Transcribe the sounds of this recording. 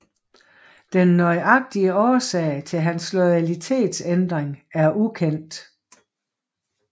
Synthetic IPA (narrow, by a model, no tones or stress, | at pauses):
d̥enːɒɪʔɑ̈ɡ̥̚d̥iəɒːsɛ̰ɪt͡sʰe̝lɦænslɔɪælit͡sʰe̝̰ːd̥send̥ʁeŋæɐʔukʰen̰d̥